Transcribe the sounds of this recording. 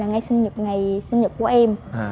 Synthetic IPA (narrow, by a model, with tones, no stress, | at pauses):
aː˨˩ŋa˧˩jsï˧ŋ̟ɲɨ˨˩t̚ŋa˨˩jsi˧ŋ̟ɲɨ˨˩t̚ku˧˩˦ʔɛ˧m˧